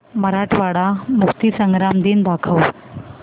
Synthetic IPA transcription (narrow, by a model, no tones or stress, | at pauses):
məɾaʈʰʋaɽamukt̪isəŋɡɾamd̪iːnd̪akʰəw